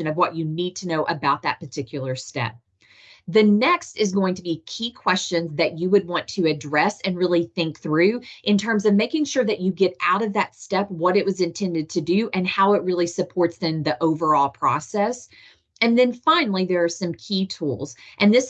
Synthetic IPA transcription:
ɨ̃nʌvwʌt͡ʃɨnid̚tʰɨnoʊʔɨbaʊt̪̚ðɨ̰t̚pə˞tʰɪkʰjl̩ˠə˞stɛ̰p̚ | ðɨnɛkstɨzɡoʊɪ̃ŋtʰəbikʰikʰw̥ɛst͡ʃɨ̃nzðɨt͡ʃɨwɨd̚wɑ̃ntʰɨɨdɹɛsɨ̃nɹɪlˠiθɪ̃ŋk̚θɹʉʔɨ̃ntʰɜ̃˞mzʌvmeɪkɪ̃ŋʃʊɹðɨt͡ʃɨɡɛɾaʊɾʌvðɨtstɛp̚wʌɾɨʔ̚wʌzɨ̃ntʰɛ̃ndɨd̚tʰɨdʉʔɨ̃nhaʊɨt̚ɹɪlˠisɨpʰɔɹtsðɨ̃nðiʔoʊvə˞ɔlˠpʰɹ̥ɔ̰sɛs | ɨ̃nðɨ̃nfãɪ̃nl̩ˠiðə˞ːsʌ̃mkʰitʰṵlˠz̥ʔɨ̃nðɪs

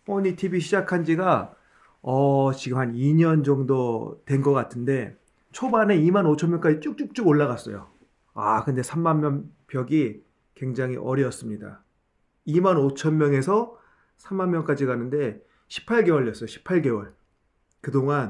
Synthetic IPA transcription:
oɲitʰibiɕʰid͡ʑakʰand͡ʑiɡa | ʌt͡ɕiɡɯmhaniɲʌnd͡ʑʌŋdotwe̞nɡʌk͈atʰɯnde̞ | t͡ɕʰobane̞imanot͡ɕʰʌmjʌŋk͈ad͡ʑit͡ɕ͈uk̚t͡ɕuk̚t͡ɕ͈uɡoɭːaɣas͈ʌ̰jo̰ | a̰kɯnde̞sʰamːanmjʌnpjʌɡi | kwe̞ŋd͡ʑaŋɦḭʔʌɾjʌs͈ɯmɲida̰ | imanot͡ɕʰʌnmjʌŋe̞sʰʌ | sʰamːanmːjʌŋk͈ad͡ʑiɡanɯnde̞ | ɕʰi̥pʰaɭɡe̞wʌɭːjʌs͈ʌjoɕʰi̥pʰaɭɡe̞wʌɭ | kɯdoŋan

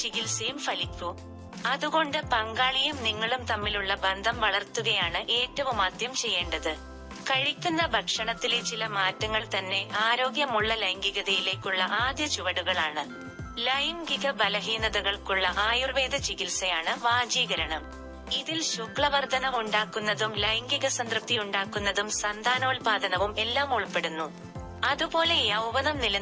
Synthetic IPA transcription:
t͡ɕiɣilsɐjumfɐlipːu | ɐðuɣo̞ɳɖɨpɐŋɡaːɭijumniŋːɐɭumt̪ɐmːiluɭːɐbɐnd̪ʱɐmʋɐɭɐrt̪ːuɣɐjaːɳɨʔe̞ːtːɐʋumaːd̪jɐmt͡ɕe̞jːe̞ːɳɖɐðɨ | kɐɻikʲːunːɐbʱɐkʂɐɳɐt̪ːilet͡ɕilɐmaːtːɐŋːɐɭt̪ɐnːe̞ʔaːɾo̞ːɡjɐmuɭːɐlɐjŋɡiɣɐðɐjile̞ːkʲːuɭːɐʔaːd̪jɐt͡ɕuʋɐɽuɣɐɭaːɳɨ | lɐjŋɡiɣɐbɐlɐɦiːnɐðɐɣɐɭkuɭːɐʔaːjurʋe̞ːd̪ɐt͡ɕiɣilsɐjaːɳɨʋaːd͡ʑiːɣɐɾɐɳɐm | iðilɕukɭɐʋɐrd̪ʱɐnɐʋuɳɖaːkːunːɐðumlɐjŋɡiɣɐsɐnd̪rɨp̚t̪ijuɳɖaːkːunːɐðumsɐnd̪ʱaːnoːlpaːd̪ʱɐnɐʋume̞lːaːmuɭpe̞ɽunːu | ɐðubo̞ːle̞jɐwʋɐnɐmnilɐ

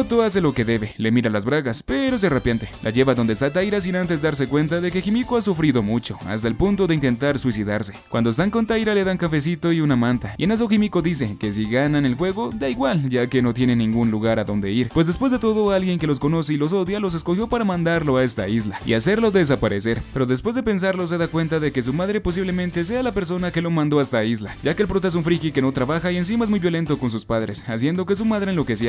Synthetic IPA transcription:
ot̪oas̬e̞lo̞ke̞ðe̞βele̞miɾalazβɾaɣaspe̞ɾoes̬erapjant̪e̞lʔa̰ʝe̞βaðo̞nd̪esat̪ajɾas̬inant̪e̞zdaɾs̬e̞kwe̞nt̪aðe̞keximikoas̬ufɾiðo̞mut͡ʃo̞a̰st̪aelpunt̪o̞ðeint̪e̞nt̪aɾswisiðaɾse̞kwa̰nd̪oest̪aŋko̞nt̪ajɾale̞ðaŋkafe̞s̬it̪oiunamãnt̪aienas̬oximikoðis̬e̞ke̞s̬iɣanane̞lxwe̞ɣo̞d̪aiɣwalɟ͡ʝake̞no̞t̪je̞ne̞nːĩŋɡunluɣaɾaðo̞nd̪e̞iɾpwezðe̞spwezðe̞t̪o̞ðo̞alɣje̞ŋke̞lo̞s̬ko̞no̞se̞ilo̞s̬o̞ðjalo̞s̬e̞sko̞xjo̞paɾamãnd̪aɾlo̞ae̞st̪a̰izlaḭase̞ɾlo̞ðe̞s̬apaɾese̞ɾpe̞ɾo̞ðes̬pwe̞zðepe̞ns̬aɾlo̞s̬e̞ðakwe̞nt̪aðe̞ke̞s̬umaðɾepo̞s̬iβle̞mẽnt̪e̞s̬e̞alape̞ɾs̬o̞nake̞lo̞mãnd̪o̞ast̪aizlaɟakeːlpɾot̪aes̬uɱfɾikike̞no̞t̪ɾaβaxaie̞ns̬imae̞zmujβjo̞le̞nt̪o̞ko̞ns̬uspaðɾesas̬je̞nd̪o̞ke̞s̬umaðɾenlokesi

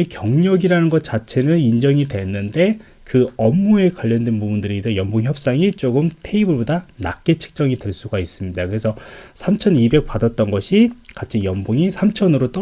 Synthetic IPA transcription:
kjʌŋɲʌɡiɾanɯnɡʌt̚t͡ɕ͈at͡ɕʰe̞nɯnind͡ʑʌŋidwe̞nːɯnde̞ | kɯʌmːue̞kwaʎːʌndwenpubundɯɾitʰʌjʌmboŋçjʌp̚s͈aŋit͡ɕ͈oɡɯmtʰe̞ibɯɭbodana̰k̚k͈e̞t͡ɕʰɯ̥k̚t͡ɕ͈ʌŋidweɭs͈uɡais͈ɯmɲidakɯɾe̞sʰʌsʰamt͡ɕʰʌnibe̞k̚p͈adʌt̚t͈ʌnɡʌɕʰikat͡ɕʰijʌmboŋisʰamt͡ɕʰʌnɯɾot͈ʌ

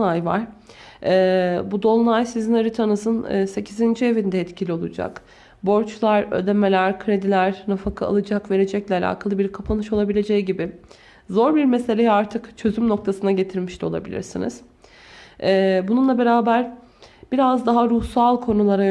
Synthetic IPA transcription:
ajva̰ɾ̥ | ɛːbud̪o̞lˠnajsizinaɾɯt̪ʰanɯzɯn̰ːse̞cʰizind͡ʒie̞vind̪ɛɛt̪cʰilʲio̞lˠud͡ʒa̰k | bo̞ɾt͡ʃlˠaɾø̰d̪e̞melʲæɾkʰɾe̞d̪ilʲæɾnafakʰaa̰lˠɯd͡ʒakve̞ɾe̞d͡ʒɛclʲɛalʲa̰ːkʰalˠɯbiɾkʰapʰanɯʃo̞lˠabilʲe̞d͡ʒejiɟibɪ | zo̞ɾbiɾme̞se̞lʲejiaɾt̪ʰɯkt͡ʃʰø̞zymno̞k̚t̪ʰasɯnaɟe̞t̪ʰiɾmiʃlʲɛo̞lˠa̰bilʲḭɾsinḭz̥ | ɛːbununlˠabe̞ɾaːbæɾ | b̥iɾazd̪aɦaɾuhsalˠkʰo̞nulˠaɾa

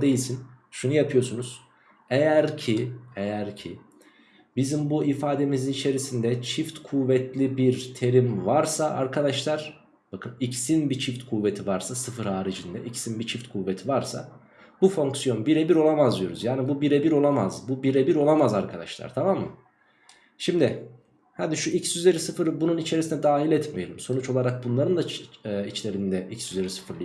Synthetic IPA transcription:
d̪e̞jilʲsin | ʃunujapʰɯjo̞sunuz̥ | ejæɾcʰie̞jæɾcʰi | bizimbuʔifaːd̪e̞mizinit͡ʃʰe̞ɾisind̪ɛt͡ʃʰift̪kʰuvɛt̪ʰlʲibiɾt̪ʰe̞ɾimvaɾsaʔa̰ɾkʰad̪aʃlˠaɾ̥ | bakʰɯnicsinbit͡ʃʰift̪kʰuːve̞t̪ʰivaɾsasɯfɯɾhaːɾid͡ʒind̪ɛʔicsinbit͡ʃʰift̪kʰuvet̪ʰivaɾsa̰ | bufo̞ŋksijo̞nbiɾebiɾo̞lˠamazlˠujo̞ɾuzjaːnibubiɾebiɾo̞lˠamazbubiɾebiɾo̞lˠamazaɾkʰad̪aʃlˠa̰ɾ̥t̪ʰamamːɯ | ʃimd̪ɪ | had̪iʃuicsyze̞ɾisɯfɯɾbununit͡ʃʰe̞ɾisinɛd̪aːɦilʲɛt̪mejelʲimso̞nut͡ʃo̞lˠaɾak̚bunlˠaɾɯnd̪ait͡ʃlʲe̞ɾind̪ɛʔicsyze̞ɾisɯ̥fɯɾˠ

